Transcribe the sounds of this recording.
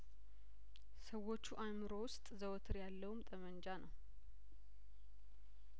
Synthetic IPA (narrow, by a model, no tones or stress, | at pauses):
səwo̞t͡ʃːuʔamɨɾo̞wʊst̪ʼzəwt̪ʰɨɾjalːəwumt̪ʼəmənd͡ʒanəw